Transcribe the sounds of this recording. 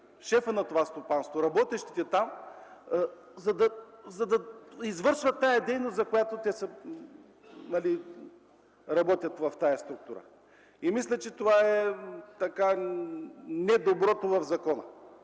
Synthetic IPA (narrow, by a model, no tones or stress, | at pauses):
ʃɛfənɐt̪ovast̪opanst̪voɾɐbɔt̪ɛʃt̪it̪ɛt̪am | zɐd̪ɐzɐd̪ɐizvɤɾʃvət̪ːajɐd̪ɛjnost̪zɐkojat̪ot̪ɛsə | mɐli | ɾɐbɔt̪ʲjɐt̪vɐft̪ajɐst̪ɾuk̚t̪uɾə̰ | imislʲɐt͡ʃɛt̪ovaɛt̪ɐka | nɛd̪obɾɔt̪ovɐvzɐkɔnə̰